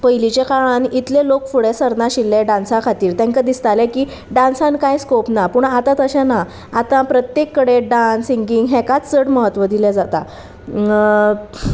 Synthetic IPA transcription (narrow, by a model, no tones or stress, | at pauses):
pəjlit͡ɕekaɭãnit̪lelokfuɽesəɾnaɕilːẽɖãnsakʰat̪iːɾt̪ɛ̃ŋkəd̪ist̪alɛ̃kiː | ɖãnsãnkajskopnapuɳat̪ãt̪əɕãnaː | t̪ãpɾət̪jekːəɽeɖãsiŋɡiŋɡɦɛ̃kat͡st͡səɽməɦət̪ːʋəd̪ilɛd͡zat̪a̰